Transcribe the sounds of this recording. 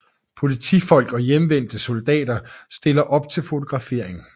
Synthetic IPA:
pʰo̝lit͡sʰḭfɒ̽l̰ɡ̥ɒ̽jemʋen̰d̥əsold̥ɛ̰ːdɐsd̥e̝lɐʔɒ̽b̥t͡sʰe̝lfo̝t͡sʰo̝ɡ̥ʁɑ̈fe̝ɐ̰e̝ŋ̩

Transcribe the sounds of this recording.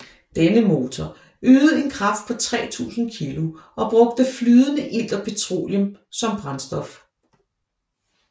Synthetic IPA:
d̥enəmo̝ːt͡sʰɒ | øːð̩ˠe̝nkʰʁɑ̈fd̥̚pʰɒ̽t͡sʰʁɛ̰ːt͡sʰṵːsn̩kʰilo̝ʔɒ̽b̥ʁɔ̽ɡ̥̚d̥əflyːðˠənəʔil̰d̥ɐpʰe̝t͡sʰʁo̝̰ːljəmsɒ̽mb̥ʁɑ̈nsd̥ɒ̽f

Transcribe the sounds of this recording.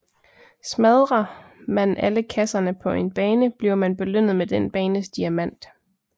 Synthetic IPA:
smæðˠʁɐmænʔæləkʰæsɐnəpʰɒ̽ʔe̝nb̥ɛːnəb̥liʊmænb̥e̝løn̰ð̞̩ˠmed̥enb̥ɛːnəsd̥iæmæn̰d̥

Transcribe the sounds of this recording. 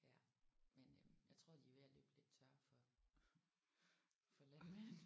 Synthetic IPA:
jæmenjɑ̈ɪt͡sʰʁo̝̰ːd̥iʋeɐlḛːb̥le̝d̥t͡sʰɶɐfɒ̽ | fɒ̽lænme

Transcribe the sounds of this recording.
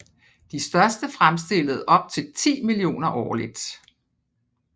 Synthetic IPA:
d̥isd̥ɶɐsd̥əfʁamsd̥e̝l̰əð̞̩ˠʔɒ̽b̥̚t͡sʰe̝lt͡sʰḭːmilio̝̰ːnɐʔɒ̰ːlid̥

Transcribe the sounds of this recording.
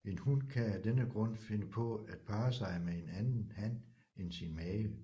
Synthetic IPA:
enhunkʰææd̥enəɡ̥ʁɔ̽n̰fe̝nəpʰɔ̽æd̥̚pʰɑ̈ːsɑ̈ɪmee̝nænn̩hæn̰ | ensimɛː

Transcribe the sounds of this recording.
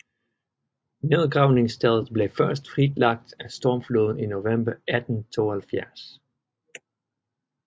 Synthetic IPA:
nɪðˠɡʁaʊnɪ̃ŋstʰɛlˠsbleːfɜ˞stfʁidlaɡ̥̚d̥æstɔːmfloðˠninovɛ̃mbəʔædn̩tʰoəlfjɛs

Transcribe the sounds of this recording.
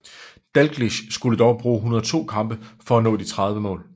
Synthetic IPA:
d̥ælɡ̥liɕsɡ̥uləd̥ɒʊb̥ʁuːɦunɐt͡sʰo̝̰ːkʰɑ̈mb̥əfɒ̽ænɔ̰̽ːd̥it͡sʰʁɑ̈ð̞ˠʋəmɔ̰̽ːl

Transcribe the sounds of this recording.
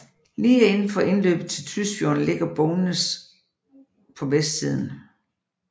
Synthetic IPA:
liːæe̝nn̩fɒ̽ʔe̝nlø̰ːb̥ð̩ˠt͡sʰe̝lt͡sʰysb̥jo̝̰ːn̩le̝ɡ̥ɐb̥ɔʊnəs | pʰɒ̽ʋesd̥sið̞̰ˠn̩

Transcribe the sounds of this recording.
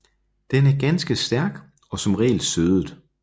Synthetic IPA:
d̥enæɐɡ̥ænsɡ̥əsd̥æɐɡ̥ | ɒ̽sɒ̽mʁɛ̰ːlsøðˠð̩ˠ

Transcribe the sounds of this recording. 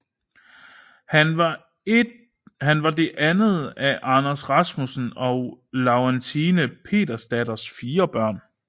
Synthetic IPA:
hænʋɑ̥ | hænʋɑ̈d̥e̝ʔænəð̩ˠæʔɑ̈næsʁɑ̈smusn̩ɒ̽ʊlɑʊɛnt͡sʰinəpʰe̝̰ːdɐsd̥æd̥ɐsfiːɐb̥ɶɐ̰n

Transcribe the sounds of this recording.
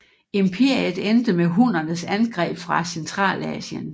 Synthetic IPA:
e̝mpʰe̝ɐ̰iəðˠend̥əmeɦun̰ɐnəsænɡ̥ʁɛ̰ːb̥fʁɑ̈sent͡sʰʁɑ̰̈ːlɛ̰ːsjən

